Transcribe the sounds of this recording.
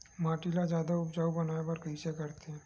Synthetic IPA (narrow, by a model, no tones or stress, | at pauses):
maːʈilad͡ʒjaːd̪aʊpd͡ʒaːubɐnaːebɐɾkɐɦisekɐɾt̪eɦɛ̃ː